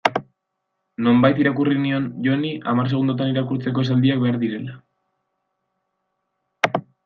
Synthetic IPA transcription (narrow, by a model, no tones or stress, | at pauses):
no̞mbajt̪iɾakurinio̞nʝo̞niʔamars̬e̞ɣ̞und̪ot̪̬aniɾakuɾt͡se̞k̬o̞e̞s̬ald̪iak̚be̞aɾðiɾe̞la